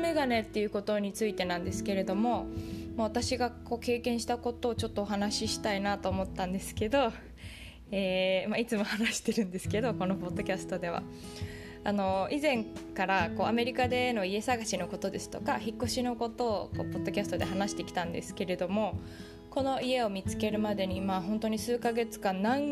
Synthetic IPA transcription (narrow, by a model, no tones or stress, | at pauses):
me̞ɡane̞t̪ːe̞jɯ̟ko̞t̪o̞ɲ̟it͡sɨit̪e̞nãnd̪e̞sɨ̥ke̞ɾe̞d̪o̞mo̞maβ̞at̪aɕiɡako̞ːke̞ːkẽ̞ɰ̃ɕi̥t̪ako̞t̪o̞ːt͡ɕo̞t̪ːo̞ːɦanaɕiɕi̥t̪ainat̪o̞ːmo̞t̪ːãnd̪e̞sɨ̥ke̞d̪o̞ | eːmait͡sɨmo̞hanaɕi̥t̪e̞ɾɯ̟̃nd̪e̞sɨ̥ke̞d̪o̞ko̞no̞po̞d̪ːo̞kʲasɨ̥t̪o̞d̪e̞βa̰ | ano̞izẽ̞ŋkaɾako̞ːame̞ɾʲikad̪e̞no̞ie̞saɡaɕino̞ko̞t̪o̞d̪e̞sɨ̥t̪o̞kaçikːo̞ɕino̞ko̞t̪o̞ːko̞̰ːpo̞d̪ːo̞kʲasɨ̥t̪o̞d̪e̞ɦanaɕi̥t̪e̞kʲi̥t̪ãnd̪e̞̰sɨ̥ke̞ɾe̞d̪o̞mo̞ | ko̞no̞ie̞o̞mʲit͡sɨ̥ke̞ɾɯ̟mad̪e̞ɲ̟imaɦõ̞nt̪o̞ɲ̟isɨːkaɡe̞t͡sɨ̥kannːãŋ